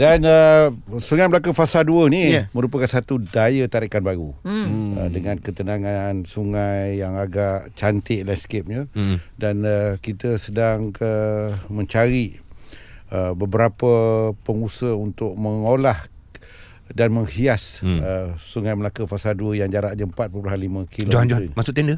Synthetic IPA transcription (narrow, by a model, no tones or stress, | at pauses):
danəsuŋajməlak̬əfasalduənimə̃ɾup̬əkansat̪udajət̪aɾiʔkanbaɾuə̰dəŋãnkət̪ənaŋansuŋajːaŋaɡaʔt͡ʃant̪ɪʔlanskep̚ɲadanəkit̪əsədaŋəmə̃ɲt͡ʃaɾi | əbəbəɾapəpəŋusəunt̪ʊk̚məŋolah | danmə̃ŋhiasəsuŋajməlakəfasaduəjaŋd͡ʒaɾaʔd͡ʒəmpat̪̚pəpəɦanlimə̃kʰilod͡ʒohand͡ʒoimasʊt̪ɛndə